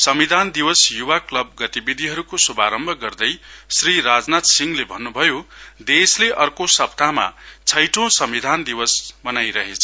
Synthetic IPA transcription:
sʌmid̪ʱand̪iwʌsjuwaklʌb̚ɡʌt̪ibid̪ʱiɦʌɾukosubʱaɾʌmbʱʌɡʌrd̪ʌjsriɾad͡znat̪siŋlebʱʌnːubʱʌjod̪esleʔʌrkosʌp̚t̪ama̰t͡sʰʌjʈõsʌmbid̪ʱand̪iwʌsbʌnajɾʌɦet͡sʰʌ

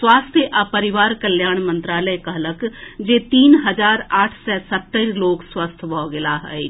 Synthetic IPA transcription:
swaːst̪ʰjəʔapəɾɪʋaːɾkəljaːɳ̃mə̃nt̪ɾaːləjkəɦləkd͡ʒeːt̪iːnɦəd͡ʒaːɾaːʈʰsɛsət̪ːəɾloːkswaːst̪ʰbʱɔːɡɪlaɦɛ

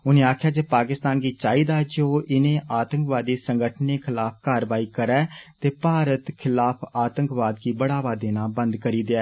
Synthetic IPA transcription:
ʊnẽːaːkʰjaːd͡ʒeːpaːkɪst̪aːnɡiːt͡ʃaːiːd̪aːd͡ʒoːʔɪnẽːʔaːt̪əŋkʋaːd̪iːsəŋɡəʈʰneːkʰɪlaːp̚ʰkaːɾʋaːiːkəɾɛːt̪eːpaːɾət̪kʰɪlaːpʰaːt̪əŋkʋaːd̪kiːbəɽaːʋaːd̪ẽːnaːbə̃nd̪kəɾiːd̪eɛː

